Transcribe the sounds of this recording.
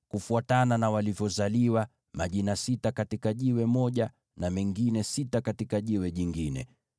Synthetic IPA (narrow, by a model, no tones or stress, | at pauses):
kufuatananawalivjɔzaliwa | maʄinasitakatikaʄiwɛmɔʄa | namɛŋɡinɛsitakatikaʄiwɛʄiŋɡinɛ̰